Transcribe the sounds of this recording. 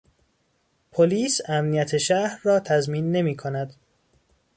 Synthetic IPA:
pʰoliːsæmnijæt̪ʰe̞ʃæhɾːɒːt̪ʰæzmiːnːe̞miːkʰonæd̪̥

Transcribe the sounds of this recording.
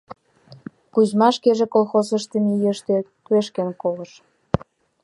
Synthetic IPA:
kuzmɑʃkeʒĕkolˠxosə̆ʃt̪ə̆mijə̆ʃt̪et̪ueʃkenkolə̆ʃ

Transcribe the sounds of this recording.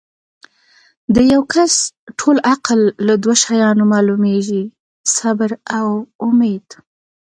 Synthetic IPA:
d̪əjawkʰasʈʰolaqlːad̪waʃajɑnomɑlumeʒi | sabɾawʊmed̪̥

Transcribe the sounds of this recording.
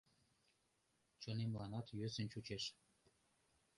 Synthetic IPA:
t͡ɕonemlˠɑnɑt̪jøsə̆nt͡ɕut͡ɕeʃ

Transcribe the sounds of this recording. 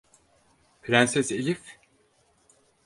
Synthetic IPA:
pʰɾænsɛselʲif

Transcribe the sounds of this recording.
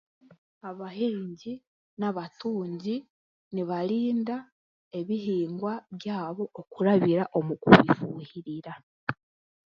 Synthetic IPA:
aβaheːɲɟi | naβatuːɲɟi | niβaɾiːnda | e̞βiɦiːŋɡwaβjaːβo̞okuɾaβiɾaʔo̞mukṵβifuːhiɾiɾa

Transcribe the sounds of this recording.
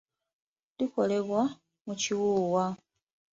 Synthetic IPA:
liko̞le̞βwa | muciwuːwa

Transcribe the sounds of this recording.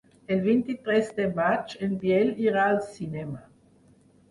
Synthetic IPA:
elvint̪it̪ɾɛsd̪emat͡ʃenbjɛliɾaːlsinɛma

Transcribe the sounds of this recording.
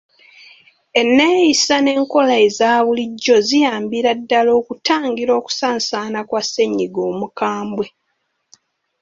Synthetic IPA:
e̞nːe̞ːjisane̞ːŋko̞laezaːβuliɟːo̞zijaːmbiɾadːalo̞ːkutaːŋɡiɾo̞ːku̥saːnsaːnakwase̞ɲːiɡo̞ːmukaːmbwe̞

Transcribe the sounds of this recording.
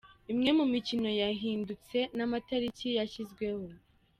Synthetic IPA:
imŋe̞mumicino̞jaɦiːndut͡se̞namataɾicijaçizɡwe̞ho̞

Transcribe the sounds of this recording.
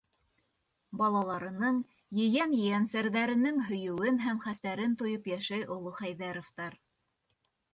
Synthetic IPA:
bɑlˠɑlˠɑɾɤ̆nɤɴ | jɘ̆jænjɘ̆jænsæɾðæɾɘ̆nɘŋɦɵ̆jɵ̆wɘnɦæmχæst̪æɾɘnt̪ŏjopjæʃæjʔŏlˠɤχæjðæɾoft̪ɑɾ

